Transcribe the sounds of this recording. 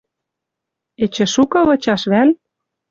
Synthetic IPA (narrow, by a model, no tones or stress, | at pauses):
et͡ɕĕʃukɤ̆βɤ̆t͡ɕɑʃβæl